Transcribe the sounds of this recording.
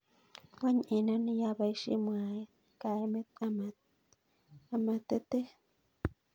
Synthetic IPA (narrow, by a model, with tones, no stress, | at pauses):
wa˦ɲ˨ʔe˨na˦ni˦ja˦βa˨i˦ʃḭ˦mwa˨je˦ | ka˨ɾi˦me˦ama | a˨ma˨t̪e˦t̪e˦